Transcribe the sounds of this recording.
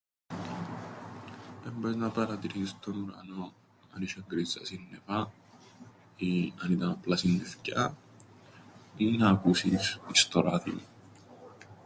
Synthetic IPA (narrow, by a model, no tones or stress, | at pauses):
embeznɐpɐɾɐt̪iɾist̪onuɾɐ̰no | ɐniʃeŋɡɾizɐ̰sinːefa | iɐnit̪ɐnɐplasinːefcɐ | inaːkusisist̪oɾat̪ḭm